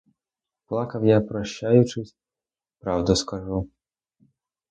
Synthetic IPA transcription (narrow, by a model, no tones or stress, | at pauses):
plˠɑkɐwjapɾɔɕːajʊt͡ʃɪsʲ | pɾɑwd̪ɔskaʐu